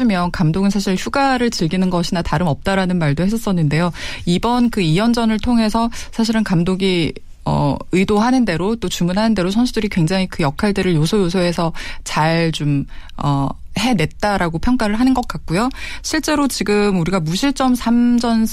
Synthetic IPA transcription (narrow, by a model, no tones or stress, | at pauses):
imjʌnkamdoɡɯnsʰaɕʰiɭçjuɡaɾɯɭt͡ɕɯɭɡinɯnɡʌɕʰinataɾɯmʌp̚t͈aɾanɯnmaɭdohes͈ʰʌs͈ʌnːɯnde̞joibʌnkɯijʌnd͡ʑʌnɯɭtʰoŋɦe̞sʰʌsʰaɕ̬ʰiɾɯnkamdoɡi | ʌ̰ɯjdoɦanɯnde̞ɾot͈ot͡ɕumunɦanɯnde̞ɾosʰʌnsʰudɯɾikwe̞ŋd͡ʑaŋikɯjʌkʰaɭdeɾɯɭjosʰojosʰoɦe̞sʰʌt͡ɕaɭt͡ɕomʌ̰he̞ne̞t̚t͈aɾaɡopʰjʌŋk͈aɾɯɭɦanɯnɡʌk͈̚ak̚k͈ojoɕʰiɭt͡ɕ͈e̞ɾot͡ɕiɡɯmuɾiɡamuɕʰiɭt͡ɕ͈ʌmsʰamd͡ʑʌn